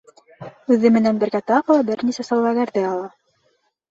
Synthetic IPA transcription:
ʉðɘmɘ̆nænbɘ̆ɾɡæt̪ɑqɤ̆lˠɤbɘɾnisæsɑlˠvɑɡæɾðɘɑlˠɑ

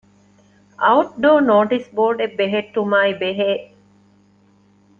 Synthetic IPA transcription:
ʔɐuʈ̚ɖoːnoːʈisboːɾɖebːeɦeʈːumaːibeɦeː

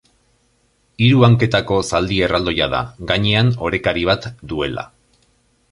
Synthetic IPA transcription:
iɾuaŋke̞t̪ako̞sald̪ie̞rald̪o̞jaða̰ɡaɲe̞ano̞ɾe̞kaɾiβ̞at̪d̪ue̞la̰

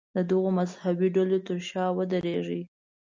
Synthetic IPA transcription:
d̪əd̪əɣomazhabiɖalot̪əɾʃɑwəd̪əɾeʐi

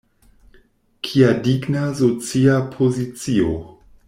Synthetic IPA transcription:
kʰiadiɡnazot͡siapʰozit͡sio

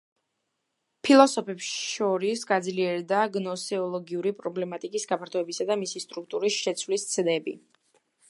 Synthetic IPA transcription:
pʰilˠɔsɔpʰɛpsʃɔɾisɡad̪zliɛɾd̪aɡnɔsɛɔlˠɔɡiuɾipʼɾɔblɛmat̪ʼikʼisɡapʰaɾt̪ʰɔɛbisad̪amisist̪ʼɾuk̚t̪ʼuɾisʃɛt̪sʰwlist̪sʰd̪ɛbḭ

